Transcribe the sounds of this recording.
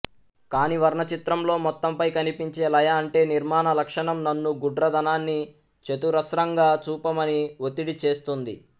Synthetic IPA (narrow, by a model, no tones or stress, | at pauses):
kaːniʋɐɾɳɐt͡ʃit̪ɾɐmlo̞ːmɔt̪ːɐmpɐjkɐnipiɲt͡ʃe̞ːlɐjɐːɳʈe̞ːniɾmaːnɐlɐkʂɐɳɐmnɐnːuɡuɖɾɐd̪ɐnaːnːi | t͡ʃet̪uɾɐsɾɐŋɡaːt͡ʃuːpɐmɐniot̪iɽit͡ʃe̞ːst̪und̪ḭ